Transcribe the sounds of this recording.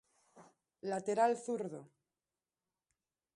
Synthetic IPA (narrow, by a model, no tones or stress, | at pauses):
lat̪eɾalθuɾðo